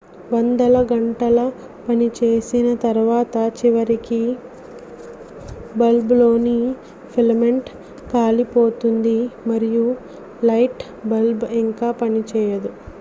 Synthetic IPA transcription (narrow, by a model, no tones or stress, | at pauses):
ʋɐnd̪ɐlɐɡɐɳʈɐlɐ | pɐnit͡ʃeːsinɐt̪ɐɾʋaːt̪ɐt͡ʃiʋɐɾiki | bɐlblo̞ːni | pʰilmeɳʈ | kaːlipo̞ːt̪und̪imɐɾiju | lɐjʈ | bɐlbiŋkaːpɐnit͡ʃɛːjɐd̪u